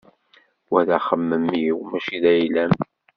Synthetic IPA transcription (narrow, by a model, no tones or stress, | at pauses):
wæðæχəmːəmːiwmæʃiðæjlæm